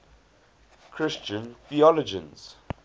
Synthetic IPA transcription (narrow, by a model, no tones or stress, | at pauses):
kʰɹɪst͡ʃə̃nθiɔlɔd͡ʒə̰̃nz̥